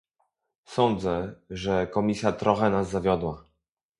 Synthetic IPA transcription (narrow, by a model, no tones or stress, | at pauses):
sɔnd̪zɛʐɛkɔmʲisʲjat̪ɾʔɔxɛnazːavʲjɔd̪wa